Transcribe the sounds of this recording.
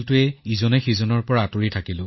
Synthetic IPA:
ltʊɛizɔnɛxizɔnɔɹpɔɹaːtoɹitʰakilʊ̃

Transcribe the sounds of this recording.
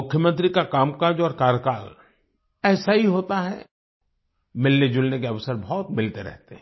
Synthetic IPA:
mʊkʰjəmə̃nt̪̬ɾikakaːmkaːd͡ʒɔːɾkaːɾkaːɾ | ɛːsaɦiɦoːt̪aɦɛ̰ | mɪlned͡ʒʊlnek̬eɐʋsəɾbɔɔːt̪mɪlt̪eɾɛ̰ɦt̪eɦɛ̃

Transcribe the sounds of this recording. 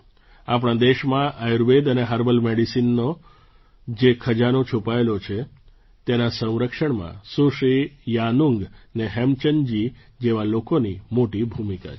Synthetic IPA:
ap̬ɽ̃ãd̪eʃmãʔajuɾbed̪əneɦəɾbəlmeɽisinːo | d͡ʒekʰəd͡ʒanot͡ʃʰupaelot͡ʃʰe | t̪enasə̃w̃ɾəkʃəɳmã̰suʃijanuŋɡneɦɛmt͡ʃəɲd͡ʒi | d͡ʒeʋalokonimoʈibʱumika̰

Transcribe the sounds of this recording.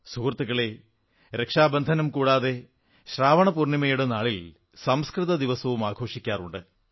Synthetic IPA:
suːrt̪ːuɣɐɭe̞ | ɾe̞kʂaːbɐnd̪ʱɐnɐmkuːɽaːðe̞ | ɕraːʋɐɳɐpurnimɐjuɽenaːɭil | sɐmskrɨðɐd̪iʋɐsɐʋumaːɡʰʱo̞ːʂikʲːaːruɳɖɨ

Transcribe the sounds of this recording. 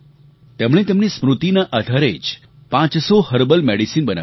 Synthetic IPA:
t̪emɽ̃et̪emnismɾut̪inaʔad̪ʱaɾed͡ʒ | pãt͡ʃsohəɾbəlmeɽisinbəna̰

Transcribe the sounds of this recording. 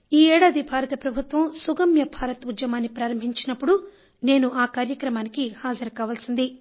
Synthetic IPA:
iːɛːɽaːd̪ibʱaːɾɐt̪ɐpɾɐbʱut̪ʋɐmsuɡɐmjɐbʱaːɾɐt̪ud͡ʒjɐmaːnːipɾaːɾɐmbʱiɲt͡ʃinɐpːuɽu | ne̞ːnuʔaːkaːɾjɐkɾɐmaːnikihaːd͡ʒɐɾɐkaːʋaːlsind̪i

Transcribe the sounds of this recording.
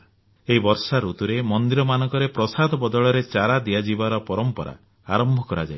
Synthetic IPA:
eɦibɔɾsaɾut̪uɾemɔnd̪iɾɔmanɔŋkɔɾepɾɔsad̪ʱɔbɔd̪ɔɭɔɾet͡ʃaɾad̪ijad͡ʒibaɾɔpɔɾɔmpɔɾa̰ | aɾɔmbʱɔkɔɾad͡ʒa̰j

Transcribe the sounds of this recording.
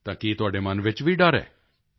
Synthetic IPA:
t̪ãːkit̪ʊaːɖemɐnʋɪt͡ʃʋiɖaɾɛ̰ː

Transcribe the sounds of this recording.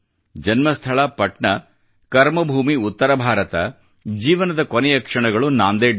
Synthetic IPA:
d͡ʒɐnmɐst̪ʰɐɭɐpɐʈɳɐ | kɐɾmɐbʱuːmiut̪ːɐɾɐbʱaːɾɐt̪ɐ̰ | d͡ʒiːʋɐnɐd̪ɐkonɛjɐkʂɐɳɐɡɐɭunaːnd̪eː

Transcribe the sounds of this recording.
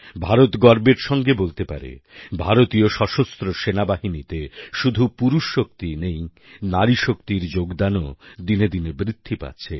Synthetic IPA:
bʱaɾot̪ɡɔɾbeɾʃɔŋɡebolt̪epa̰ɾḛbʱaɾot̪ioʃɔʃost̪ɾoʃenabaɦinit̪eʃud̪ʱupuɾuʃːok̚t̪inej | naɾiʃokt̪iɾd͡ʑoɡd̪anod̪ined̪inebɾit̪ʰːipa̰tːɕʰe

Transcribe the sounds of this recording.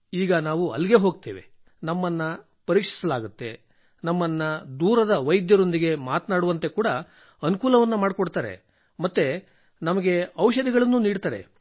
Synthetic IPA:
iːɡɐnaːʋuɐ̰lːiɡe̞ɦo̞ːɡ̚t̪ḛːʋe̞̰ | nɐmːɐnːɐ | pɐɾiːkʂi̥sɐlaːɡut̪ːe̞̰ | nɐmːɐnːɐd̪uːɾɐd̪ɐʋɐjd̪jɐɾo̞nd̪iɡe̞maːt̪naːɽuʋɐnt̪e̞kuːɽɐ | ɐnukuːlɐʋɐnːɐmaːɽkoɽt̪aːɾe̞̰ | mɐt̪ːe̞ | nɐmɐɡe̞ɐwʃɐd̪iɡɐɭɐnːuːniːɽt̪aːɾe̞̰

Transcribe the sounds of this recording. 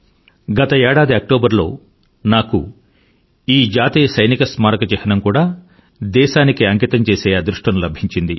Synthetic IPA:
ɡɐt̪ɐɛːɽaːd̪iɐk̚ʈoːbɐɾlo̞ː | naːku | iːd͡ʒaːt̪iːjɐsɐjnikɐsmaːɾɐkɐt͡ʃɛhɐnɐmkuːɽaː | d̪ɛːʃaːnikiɐŋkit̪ɐmt͡ʃeːseːaːd̪ɾuʂʈɐmlɐbʱiɲt͡ʃind̪i

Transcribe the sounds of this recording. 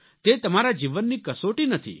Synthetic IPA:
t̪et̪əmaɾad͡ʒiʋənːikəsoʈinət̪ʰḭ

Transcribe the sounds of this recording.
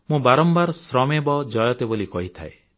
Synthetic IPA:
mũbaɾɔmbaɾsɾɔmebɔd͡ʒɔjɔt̪ebolikɔɦit̪ʰa̰e

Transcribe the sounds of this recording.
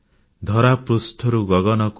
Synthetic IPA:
d̪ʱɔɾapɾusʈʰɔɾuɡɔɡɔnɔk

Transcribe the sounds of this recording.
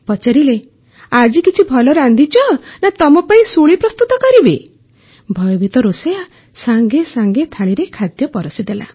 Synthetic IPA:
pɔt͡ʃaɾile | ad͡ʒikit͡ʃʰibʱɔlɔɾand̪ʱit͡ʃɔnat̪ɔmɔpaĩsuɭipɾɔst̪ut̪ɔkɔɾibe | bʱɔjɔbʱit̪ɔɾoseja | saŋɡesaŋɡet̪ʰaɭ̃iɾekʰad̪jɔpɔɾɔsid̪ela̰

